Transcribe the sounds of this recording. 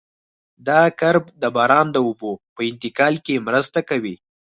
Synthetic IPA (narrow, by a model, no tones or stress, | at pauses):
d̪ɑkaɾb̚d̪əbɑɾɑnd̪əʊbopəɪnt̪ɪkɑlkemɾəst̪akawi